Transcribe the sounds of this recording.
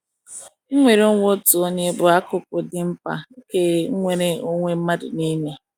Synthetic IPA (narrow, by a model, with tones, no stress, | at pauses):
ŋ̩˦ŋʷe˨ɾe˦o˦ŋʷo˦tu˨o˦ɲe˦bʊ˨a˦kʊ˨p̚ʊ˨dɪ˦m̩˦pa̰˨˦ke˦ŋ̩˦ŋʷe˨ɾe˦o˦ŋʷe˦m̩˦ma˦dʊ̰˨ni˦ɲe˦